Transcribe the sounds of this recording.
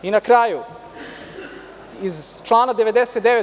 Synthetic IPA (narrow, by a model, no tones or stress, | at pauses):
inakɾaːju | izt͡ʃlˠaːnad̪e̞ʋed̪eset̪d̪eʋe